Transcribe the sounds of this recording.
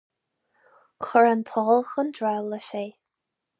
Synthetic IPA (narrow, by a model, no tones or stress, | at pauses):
xəɹant̪ʰɔːlˠxəndɹawləʃeː